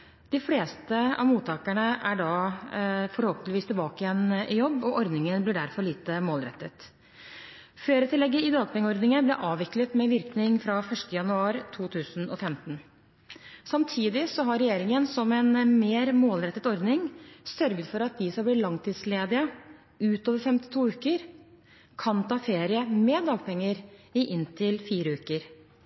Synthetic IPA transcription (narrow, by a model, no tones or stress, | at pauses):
d̪ɪfleːst̪əɑ̰ʋmuːt̪ʰɑːkəɳəʔæɖɑ | fɔɾhoːpənʋiːst̪ʰɪlbɑːkɪjɛnʔɪjɔbːɔʔɔɾd̪nɪŋənblɪɖæɾfɔɾɭiːt̪əmoːlɾɛ̰t̪ːət̪ | føːɾət̪ʰɪlːɛɡːəɪd̪ɑːɡpʰɛŋːəɔɾd̪nɪŋənblɪʔɑːʋɪklət̪mɛʋɪɾknɪŋfɾɑfœʂʈəjɑnʉɑːɾt̪ʰuːt̪ʰʉːsn̩ɔfɛmt̪n̩ | sɑmt̪ʰiːd̪ɪsɔɦɑɾɛjeːɾɪŋənsɔmɛnmeːɾmoːlɾɛt̪ːət̪ɔɾd̪nɪŋsœɾɡət̪fɔɾɑt̪̚d̪ɪsɑbliːlɑŋt̪ʰɪːd̪sleːd̪ɪə | ʉːt̪oːʋəɾfɛmt̪ɪ̥t̪ʰuːʉːkəɾ | kʰɑnt̪ɑːfeːɾɪəmed̪ɑːɡ̚pʰɛŋːəɾɪʔɪnt̪ʰɪlfiːɾəʉːkəɾ